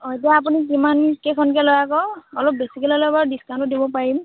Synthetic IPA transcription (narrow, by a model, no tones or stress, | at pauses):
ɔjtiaap̬unik̬imankekʰɔnkɛlɔjakɔɔlɔp̚besikɛlilɔbadiskãntʊdibɔpaɹim